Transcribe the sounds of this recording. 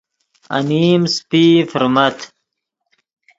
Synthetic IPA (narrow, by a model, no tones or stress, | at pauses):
ɐ̰niːmspifuɾmɐt̪